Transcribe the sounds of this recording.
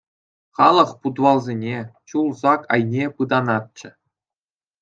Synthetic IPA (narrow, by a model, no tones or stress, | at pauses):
χɑlˠɤ̆χpud̪ʋɑlˠzʲenʲet͡ɕulˠzɑkɑ̰jnʲepɯd̪ɑnɑt̪̚t͡ɕɘ̆